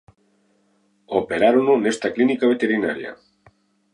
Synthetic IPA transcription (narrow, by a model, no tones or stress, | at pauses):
opeɾaɾonʊnest̪aklinikaβ̞et̪eɾina̰ɾja̰